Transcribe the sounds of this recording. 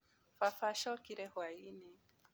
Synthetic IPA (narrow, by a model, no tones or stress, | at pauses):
fafaʃɔkiɾɛhwainɛ